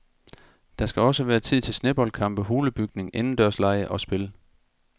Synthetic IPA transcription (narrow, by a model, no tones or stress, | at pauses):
d̥ɑ̈sɡ̥æɒ̽səʋæːɐt͡sʰið̞̰ˠt͡sʰe̝lsneb̥ɒlkʰɑ̈m̰b̥əɦo̝ːləb̥yɡ̥ne̝ŋʔe̝nn̩d̥ɶɐslɑ̈ɪəʔɒ̽sb̥e̝l